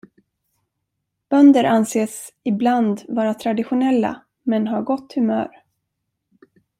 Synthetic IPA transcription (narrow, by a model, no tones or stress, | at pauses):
b̥œnd̪əɾʔanseːsɪbland̪vɑːɾat̪ʰɾad̪ɪɧʊnɛlːa̰ | mɛnɦaɾɡɔt̪ːhɵmœ̰ːɾ